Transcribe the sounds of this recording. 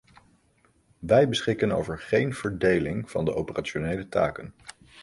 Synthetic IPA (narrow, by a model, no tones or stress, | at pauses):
ʋɛjbəsχɪkəno̰wvəɹχejnv̥əɹdejlɪŋv̥ɑ̰ndəʔowpəraːt͡ʃonejləta̰ːkən